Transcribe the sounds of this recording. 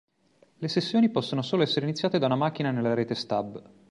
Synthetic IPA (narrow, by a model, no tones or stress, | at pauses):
lesesːjoːnipɔsːonosoːloɛsːeɾeinit̪sːjaːt̪ed̪aunamak̟ːinanelːaɾeːt̪est̪ab